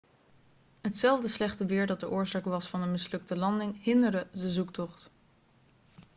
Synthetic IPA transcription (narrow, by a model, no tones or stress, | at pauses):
ɦətsɛlˠvdəslɛχtəʋɪːɹdɑt̚dəʔʊːɹzaːkʋɑsfɑnənmɪslɵktəlɑndɪŋɦɪndəɹdədəzuktɔχt